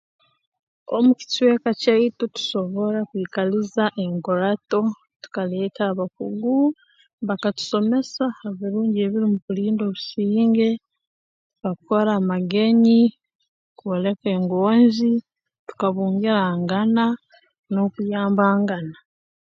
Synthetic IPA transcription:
o̞̰muci̥twe̞ːkacaitutu̥so̞βo̞ɾakwiːkalizaʔe̞ŋɡoɾato̞ | tu̥kale̞ːtaːβakuɡu | βakatu̥so̞me̞saaβiɾuːɲɟe̞βiɾimuβuliːndo̞βusiːŋɡe̞ | βakukoɾaːmaɡe̞ɲi | kuole̞ke̞ŋɡo̞ːnzi | tu̥kaβuːŋɡeɾaːŋɡana | no̞kujaːmbaːŋɡana

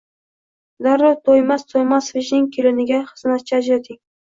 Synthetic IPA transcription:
d̪aɾot̪ʰojmast̪ʰojmasvɪʃnɪŋʲkʲʰelɪnɪɡʲaχɨznat̪̚t͡ʃʰad͡ʒɾet̪ʰɪŋ

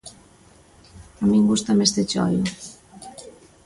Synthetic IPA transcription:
amiŋɡust̪amest̪et͡ʃɔ̰ju

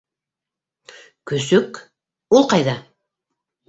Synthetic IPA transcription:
kɵsɵk | ulˠqɑjðɑ

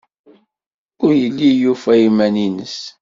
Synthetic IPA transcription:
ʊɾjəlːijufæjimæninəs

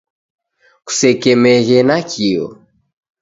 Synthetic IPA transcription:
ku̥sɛkɛmɛɣɛnakʰiɔ̰

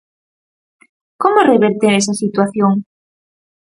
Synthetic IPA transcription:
komoreβeɾt̪eɾɛsasit̪waθjoŋ

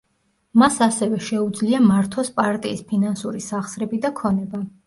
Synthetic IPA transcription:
masasɛvɛʃɛud̪zliamaɾt̪ʰɔspʼaɾt̪ʼiːspʰinansuɾisaχsɾɛbid̪akʰɔnɛba

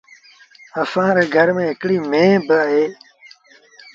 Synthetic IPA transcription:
əfãːɾeːɡʱəɾmẽːɦɪkɽiːmẽːbəɦeː

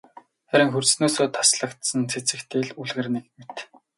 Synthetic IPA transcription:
χæɾʲɪ̆ŋxɵrsnoːsoːt̪ʰḁsɮə̆kt̪sə̆nt͡sʰet͡sɘ̆kt̪ʰeːɮuɮɣɘ̆rnikmet̪

